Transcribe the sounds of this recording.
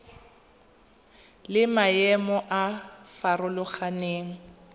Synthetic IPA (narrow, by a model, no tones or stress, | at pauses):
lɪmaɛmɔʔafarʊlʊχaneːŋ̩